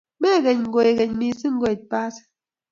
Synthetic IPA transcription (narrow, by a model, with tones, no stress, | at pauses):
mɛ˦˨ɣɛ˨ɲ˨ŋ̩˨ɡo˨je˨ɣɛ˨ɲmi˨sɨ˦ŋ̩˦ɡo˦˨t̚pa˦s